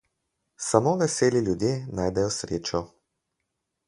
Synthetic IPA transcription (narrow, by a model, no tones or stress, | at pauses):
samoːʋɛseːliljud̪jeːnaːjd̪ɛjɔsɾeːt͡ʃɔ